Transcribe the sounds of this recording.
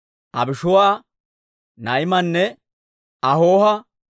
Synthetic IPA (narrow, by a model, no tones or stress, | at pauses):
ʔɐ̰bɪʃʊwaː | nɐjɪmɐnːɛ | ɐhoːhɐ